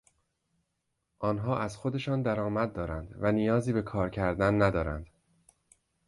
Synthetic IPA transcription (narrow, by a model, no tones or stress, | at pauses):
ʔɒːnɦɒːʔæzxo̞d̪e̞ʃɒːnd̪æɾɒːmæd̪̚ːɒːɾænd̪vænijɒːziːbe̞kʰɒːɾcʰæɾd̪ænːæd̪ɒːɾæ̰nd̪̥